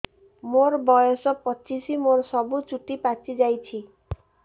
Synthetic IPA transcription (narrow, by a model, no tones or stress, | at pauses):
moɾbɔjɔsɔpɔt͡ʃisimoɾsɔbut͡ʃuʈipat͡ʃid͡ʑajt͡ɕʰi